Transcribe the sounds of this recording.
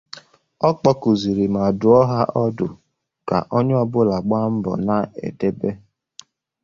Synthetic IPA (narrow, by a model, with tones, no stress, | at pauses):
ɔ˦k͡pɔ˦kʊ˨zi˨ɾi˨ma˨dʊ˨ɔ˦ɦa˦ʔɔ˦dʊ˨ | ka̰˨ʔo˦ɲ˦ɔ˦bʊ˦la˨ɡ͡ba˦m̩˦bɔ̰˨na˨ḛ˨de˦be˦